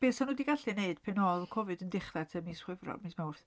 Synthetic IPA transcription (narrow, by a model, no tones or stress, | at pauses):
b̥eːsanuːdiɡaɬɨneɨd̥pʰɛnɔːlˠkʰɔvɨdəndɪχratʰəmisχwɪvrɔ̰mismawrθ